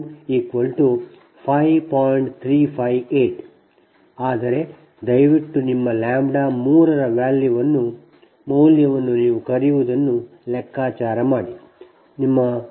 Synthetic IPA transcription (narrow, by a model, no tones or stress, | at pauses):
iːkʋɐlʈu | pʰɐjpaːjɳʈt̪ʰɾiːpʰɐjʋeːʈ | aːd̪ɐɾe̞ | d̪ɐjʋiʈːunimːɐlaːmɖaːmuːɾɐɾɐʋaːljuʋɐnːu | mɐwljɐʋɐnːuniːʋukɐɾijuʋud̪ɐnːu | lɛkʰːaːt͡ʃaːɾɐmaːɽi | nimːɐ